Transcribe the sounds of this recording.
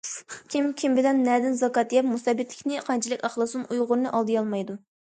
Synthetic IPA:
kʲʰimkʲʰimbɪlɛnːɛd̪ɪnzɑkɑːt̪ʰjɛpmusɛbɪt̪ʰlɪ̥kʲnɪqʰɑnt͡ʃʰilˠɪkʲɑχlˠɨsunujʁʊɾnɨʔɑlˠd̪ɨjɑlˠmɑjd̪u

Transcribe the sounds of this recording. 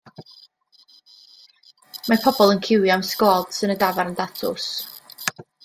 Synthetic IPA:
mapʰɔbɔlˠənkʰɪwjamskɔːd̥sɨnədavaɾəndatʰʊ̰s

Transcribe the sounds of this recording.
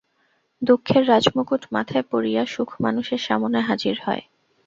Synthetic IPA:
d̪okʰːeɾːad͡ʑmokuʈma̰t̪ʰaepoɾijaʃukʰma̰nuʃeɾʃa̰monaɦad͡ʑiɾhɔ̰e

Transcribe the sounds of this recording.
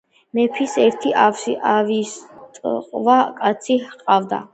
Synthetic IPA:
mɛpʰisɛɾt̪ʰiʔafsiavist̪ʼqʼvakʼat̪sʰihqʼavd̪a̰

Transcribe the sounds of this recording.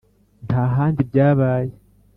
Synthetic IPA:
ntʰaːɦaːndibɟaːβaːje

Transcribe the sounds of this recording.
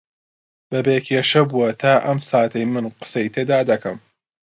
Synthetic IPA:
b̥ɐbeːkʰeːʃɐbuɐt̪ʰaːʔɐmsaːt̪ʰɐjmɨnqɨ̥sɐjt̪ʰeːd̪aːd̪ɐkʰɐm

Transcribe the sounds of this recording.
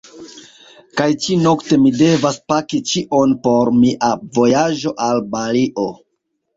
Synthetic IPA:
kajt͡ʃino̞kte̞mide̞vaspakit͡ʃiʔo̞npo̞ɾmiʔavo̞jad͡ʒo̞ʔalbaliʔo̞

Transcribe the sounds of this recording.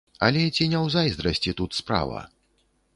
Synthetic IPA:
ɐ̰lʲɛt͡sʲinʲɛwzajzd̪ɾɐsʲt͡sʲit̪ut̪spɾa̰vɐ̰

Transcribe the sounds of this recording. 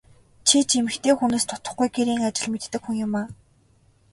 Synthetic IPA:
t͡ɕʰit͡ɕemɘ̆xt̪ʰeːxuneːst̪ʰʊ̥t̪ə̆χɡujɡeɾiːŋat͡ɕɪ̆ɮmet̪ːɘ̆kxuŋjʊmaː

